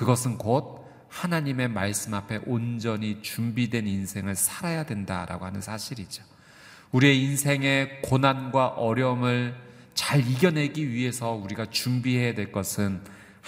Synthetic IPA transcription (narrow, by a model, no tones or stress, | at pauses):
kɯɡʌs̬ʰɯnkod̚ | hanaɲime̞maɭs͈ɯmapʰe̞ʔond͡ʑʌɲit͡ɕumbidwe̞ninsʰe̞ŋɯɭsʰaɾajadwenda̰ɾa̰ɡohanɯnsʰaɕʰiɾid͡ʑo | uɾie̞insʰe̞ŋe̞konanɡwaʔʌɾjʌmɯɭ | t͡ɕaɾiɡjʌnɦe̞ɡiɥiɦe̞sʰʌuɾiɡat͡ɕumbiɦe̞jadwe̞ɭk͈ʌsʰɯn